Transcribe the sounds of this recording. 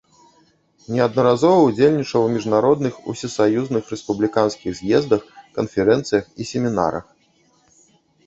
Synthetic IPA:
nʲɛɐd̪̚nɐɾazɔvɐud͡zʲelʲnʲit͡ʂɐwmʲiʐnaɾɔd̪nɨxṵsʲisajuznɨxɾɛspublʲikanskʲiɣzʲjɛzd̪ɐxkɐnfʲɛɾɛnt̪sɨjɐxisʲɛmʲina̰ɾɐ̰x

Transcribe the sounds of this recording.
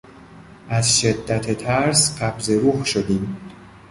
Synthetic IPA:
ʔæzʃe̞d̪ːæt̪ʰet̪ʰæɾsɢæbze̞ɾuːhʃod̪iːm

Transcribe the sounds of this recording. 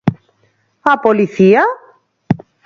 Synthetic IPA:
ɐpoliθiɐ

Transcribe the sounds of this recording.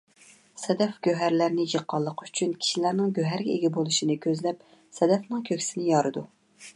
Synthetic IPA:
sɛd̪ɛfɡ̥ʲøɦæɾlæɾnɪjəqʰːɑlˠːəqʰy̥t͡ʃʰynkʲʰi̥ʃilæɾnɪŋɡʲøɦæɾɡʲɛeɡʲɛbolˠuʃinɨkʲʰøzlɛp̚ | sɛd̪ɛfnɨŋkʲʰøkʲsɪnɪjɑɾɨd̪u

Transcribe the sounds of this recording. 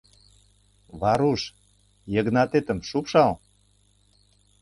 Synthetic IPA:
βɑɾuʃ | jə̆ɣnɑt̪et̪ə̆mʃupʃɑl

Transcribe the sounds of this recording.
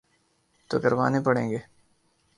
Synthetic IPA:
t̪o̰kɐɾʋa̰ːnepɐɽḛ̃ːŋɡeː

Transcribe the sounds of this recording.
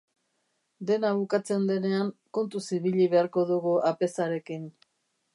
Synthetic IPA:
d̪e̞naβukat͡se̞nd̪e̞ne̞aŋko̞nt̪usiβiʎiβe̞aɾko̞ðuɣuʔape̞saɾe̞kin

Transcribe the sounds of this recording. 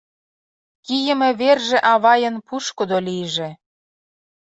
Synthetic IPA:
kijə̆mĕβerʒĕʔɑβɑjə̆npuʃkod̪olijʒĕ

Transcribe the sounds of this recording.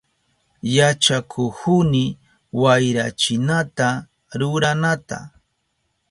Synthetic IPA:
jat͡ʃakʰʊhʊnɪ | wajɾat͡ʃɪnat̪a | ɾʊɾanat̪a̰

